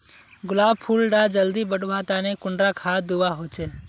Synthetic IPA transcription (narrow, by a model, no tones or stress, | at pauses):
ɡʊlaːbpʰulɖad͡ʒəld̪ibəɖuʋat̪anekʊɳɖɾakʰad̪ubaɦot͡ʃʰeː